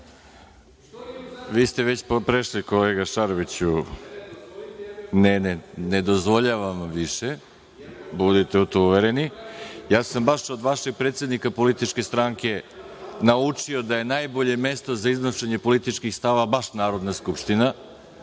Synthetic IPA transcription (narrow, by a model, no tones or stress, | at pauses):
ʋiːst̪eʋe̞t͡ɕppɾeʃlikoleːɡaʃaɾoʋit͡ɕu | nenened̪ozʋo̞ʎaʋamʋiʃe | bud̪it̪e̞ut̪ouʋeɾenijaːsambaʃo̞d̪ʋaʃe̞ɡ̚pɾet̪sje̞d̪nikapo̞lit̪it͡ʃke̞st̪ɾaŋke̞naut͡ʂio̞d̪aje̞naːjbo̞ʎe̞me̞st̪o̞zaiznoʃeɲe̞po̞lit̪it͡ʃkixst̪aʋabaʃnaːɾo̞d̪naskupʃt̪ina